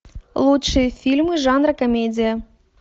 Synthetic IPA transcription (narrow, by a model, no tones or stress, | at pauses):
lˠutʂɨjəfʲilʲmɨʐɑnrɐkomʲed͡zʲijə